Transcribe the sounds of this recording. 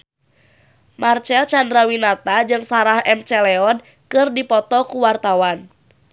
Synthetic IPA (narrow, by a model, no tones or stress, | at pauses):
mart͡ʃɛlt͡ʃandɾawinat̪ad͡ʒɨŋsaɾahɛmt͡ʃɛlɛɔn | kɨrdipɔt̪ɔkuwart̪awan